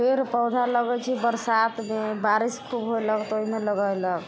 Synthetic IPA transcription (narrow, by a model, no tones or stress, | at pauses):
pʰeɾpəwd̪ʱaləɡət͡ʃʰibəɾsat̪mebaɾiskʰubɦojləkt̪oɦimeləɡəjlək